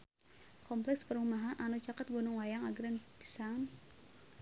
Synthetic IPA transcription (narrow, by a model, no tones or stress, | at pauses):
kʰɔmplɛkspəɾumaɦanʔanut͡ʃakat̪̚ɡɔnuŋwajaŋaɡɾɛnpi̥san